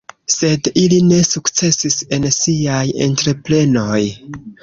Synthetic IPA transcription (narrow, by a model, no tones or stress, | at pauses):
se̞diline̞sukt͡se̞sise̞nsiaje̞̰ntɾe̞pɾe̞no̞j